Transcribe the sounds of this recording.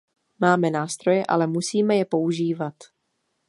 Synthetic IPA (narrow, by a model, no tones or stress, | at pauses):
maːmɛnaːst̪ɾo̞jɛʔa̰lɛmusiːmɛjɛpo̞uʒiːvat̪